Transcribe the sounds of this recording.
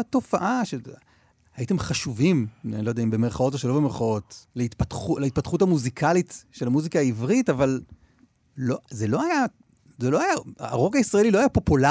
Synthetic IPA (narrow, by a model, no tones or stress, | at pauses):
to̞faʔaʃe | aite̞mχaʃuvimenlojd̪eaimbemeʁχao̞t̬oʃelo̞bemeʁχao̞tleit̪patχulait̪̚patχuthamuzikʰalitʃelamuzikaːivʁitaval | lozelo̞aja | zelo̞aja̰ʁo̞kaisʁae̞lilo̞ajapo̞pula